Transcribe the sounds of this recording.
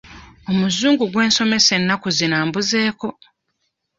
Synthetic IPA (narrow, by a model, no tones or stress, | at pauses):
o̞muzuːŋɡuɡwe̞ːnso̞me̞se̞nːakuzinaːmbuze̞ːko̞